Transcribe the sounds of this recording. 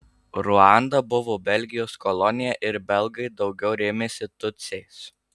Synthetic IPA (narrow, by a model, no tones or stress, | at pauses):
ɾʊɑˑnd̪ɐbʊʋoːbʲɛlʲɡʲɪjoːskɔlˠɔnʲɪjɛʔɪɾbʲɛlˠˑɡɐɪd̪ɒʊɡʲɛʊɾʲeːmʲeːsʲɪt̪ʊt̪sʲɛs